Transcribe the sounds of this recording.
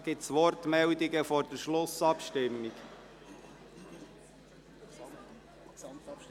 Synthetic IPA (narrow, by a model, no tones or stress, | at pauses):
ɡ̥ɪtsʋɔɾt̪mɛld̪iɡəfɔɾd̥əɾʃlʊsɑpʃtɪmːik